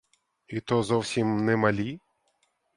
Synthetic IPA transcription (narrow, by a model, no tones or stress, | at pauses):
it̪ɔzɔwsʲimnɛmɐlʲi